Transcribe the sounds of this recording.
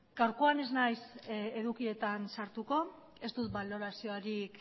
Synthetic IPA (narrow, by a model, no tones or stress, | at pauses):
ɡ̥awɾkoane̞znajse̞ðukie̞t̪ansaɾt̪uko̞ | e̞st̪ut̪̚balo̞ɾasio̞aɾik